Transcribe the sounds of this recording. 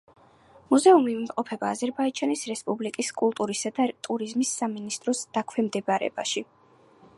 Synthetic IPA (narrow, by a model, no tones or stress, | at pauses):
muzɛumimqʼɔpʰɛbaːzɛɾbaid͡ʒanisɾɛspʼublikʼiskʼulˠt̪ʼuɾisad̪at̪ʼuɾizmisːaminist̪ʼɾɔsd̪̥akʰwɛmd̪ɛbɾɛ̰ba̰ʃi